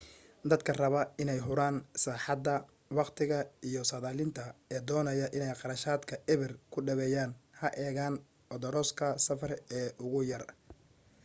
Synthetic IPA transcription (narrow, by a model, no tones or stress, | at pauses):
d̪ɐd̪kʰɐrɐβɐɪnɛjɦʊɾaːnsaːħɑd̪ɐ | wɑqt̪ʰɪɣɐijɔsɐðaːlɪnt̪ʰɐɛːd̪ɔːnɐjɐʔɪnɛjqɑɾɐʃaːd̪kʰɐʔɛβɪrkʰʊɖɐβɛːjaːnhɐʔɛːɣaːn | ʔɔd̪ɔɾɔːskʰɐsɐfɐrɛːʔʊɣʊjɐr